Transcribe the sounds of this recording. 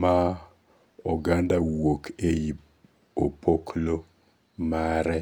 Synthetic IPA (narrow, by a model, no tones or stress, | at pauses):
ma | ɔɡandawokeji | opʰoklo | maɾɛ